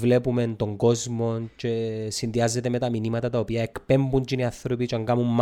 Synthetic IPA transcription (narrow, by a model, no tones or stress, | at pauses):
le̞pume̞nt̪o̞ŋɡo̞zmo̞nce̞sinðiɐzːe̞t̪eme̞t̪ɐminimɐt̪ɐt̪ɐopiɐekpe̞mbuɲt͡ʃiniɐθɾopit͡ʃɐŋɡɐmumː